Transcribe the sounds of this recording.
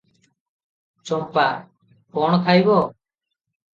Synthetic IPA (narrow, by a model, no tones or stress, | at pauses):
t͡ʃɔmpa | kɔɳ̃ɔk̪ʰajbɔ